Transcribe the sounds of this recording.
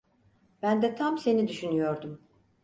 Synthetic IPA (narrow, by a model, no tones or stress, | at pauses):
bænd̪ɛt̪ʰamse̞nid̪yʃynyjo̞ɾd̪um